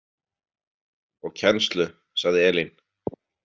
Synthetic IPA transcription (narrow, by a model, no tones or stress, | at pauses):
ɔɣcʰɛnst̪lʏ | saɣðɪɛːlin